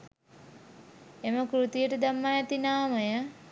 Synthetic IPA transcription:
eməkɾut̪ijəʈəd̪amːajat̪inaːməjə

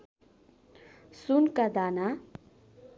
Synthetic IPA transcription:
sunkad̪ana

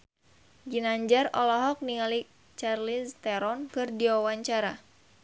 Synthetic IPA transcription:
d͡ʒinaɲd͡ʒarɔlɔɦɔk̚niŋali | t͡ʃarlist̪ɛɾɔnkɨrdiwawaɲt͡ʃaɾa

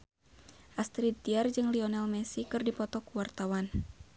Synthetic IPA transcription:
ʔast̪ɾid̚t̪iard͡ʒɨŋliɔnɛlmɛsikɨrdipɔt̪ɔkuwart̪awan

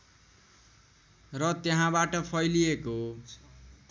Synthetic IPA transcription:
rʌt̪jeɦãbaʈʌpʰʌjlijeko

